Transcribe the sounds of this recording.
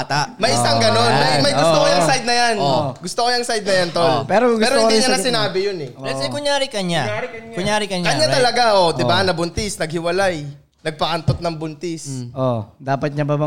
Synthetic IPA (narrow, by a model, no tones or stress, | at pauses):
t̪amɐjʔɪsaŋɡɐno̞nmɐjmɐjɡʊsst̪okojɐŋsajd̪̚nɐjanoɡʊst̪okojɐŋsajd̪nɐjɐnt̪olpɛɾoɡɛɾoɪ̃nd̪iɲɐnɐsɪnaːbɪjonɛɛsɛkʊɲjaːɾɪkɐɲaʊɲaːɾɪkɐɲkɐɲːat̪ɐlɐɡaʔod̪ɪbanɐbʊnt̪ɪsnɐɡ̚hɪwɐlaj | nɐɡ̚pɐʔɐnt̪ot̪̚nɐŋbʊnt̪ɪsʔod̪aːpɐt̪̚ɲɐbɐbɐ